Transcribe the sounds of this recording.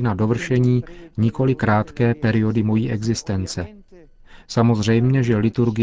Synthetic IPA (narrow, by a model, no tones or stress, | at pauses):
nado̞vr̩ʃɛɲiːɲɪko̞lɪkɾaːt̪kɛːpɛɾɪo̞dɪmo̞jiːʔɛɡzɪst̪ɛnt͡sɛ | samo̞zr̝ɛjmɲɛʒɛlɪt̪uɾɡɪ